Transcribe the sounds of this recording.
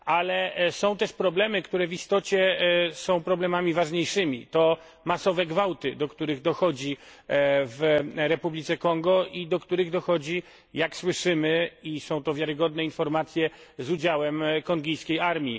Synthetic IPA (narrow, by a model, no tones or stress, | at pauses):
alɛsɔ̃w̃t̪ɛʂpɾɔblɛmɘkt̪uɾɛvist̪ɔt͡ɕɛsɔ̃w̃pɾɔblɛmamʲivaʐɲejʂɘmʲḭt̪ɔ | masɔvɛɡvawt̪ɘd̪ɔkt̪uɾɘɣd̪ɔxɔd͡ʑi | vɾɛpublʲit̪sɛkɔŋɡɔʔid̪ɔkt̪uɾɘɣd̪ɔxɔd͡ʑi | jakswɘʂɘmɘisɔ̃w̃t̪ɔvʲjaɾɘɡɔd̪nɛinfɔɾmat̪sʲjɛzud͡ʑawɛmkɔŋɡʲijskʲejaɾmʲi